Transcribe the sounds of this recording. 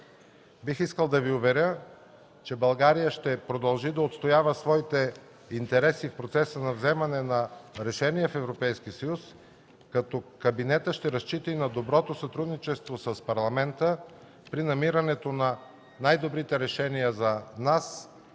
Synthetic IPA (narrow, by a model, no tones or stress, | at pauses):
bixiskəlˠd̪ɐviʊvɛɾʲə | t͡ʃɛbɐlˠɡaɾijəʃt̪ɛpɾod̪ɐlˠʒid̪ɐot̪st̪ojavəsvɔit̪ɛ | int̪ɛɾɛsifpɾot̪sɛsənɐvzɛmɐnɛnɐɾɛʃɛnijɛfɛvɾopɛjskisɐjus | kɐt̪ɔkɐbinɛt̪əʃt̪ɛɾɐst͡ʃit̪inɐd̪obɾɔt̪osɐt̪ɾud̪nit͡ʃɛst̪vosəspɐɾlˠɐmɛnt̪ə | pɾinɐmiɾɐnɛt̪onɐ | najd̪obɾit̪ɛɾɛʃɛnijəzɐnas